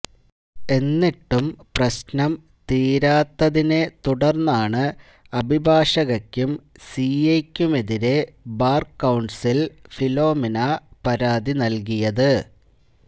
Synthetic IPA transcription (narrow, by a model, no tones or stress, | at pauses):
e̞nːiʈːumprɐɕnɐm | t̪iːɾaːt̪ːɐðine̞t̪uɽɐrnːaːɳɨ | ɐbʱibʱaːʂɐɣɐkʲːumsiekʲːume̞ðiɾe̞baːrkːɐwɳɖsilfilo̞ːminapɐɾaːd̪inɐlk̬ijɐðɨ